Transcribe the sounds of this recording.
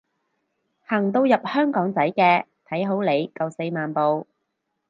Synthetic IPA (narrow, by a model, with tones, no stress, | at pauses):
hɐː˨˩ŋt̪̬o˧wjɐ˨p̚hœː˥ŋkɔː˨˥ŋt͡sɐ˨˥jkɛː˧t̪ʰɐ˨˥jɦo˨˥wle˨˧jkɐ˧wse˧jmaː˨npo˨˧w